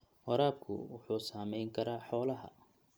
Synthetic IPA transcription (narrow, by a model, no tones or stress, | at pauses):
wɑɾaːb̚kʰʊ̰wʊħuːsaːmɛjŋkʰɐɾaːħɔːlɐɦɐ̰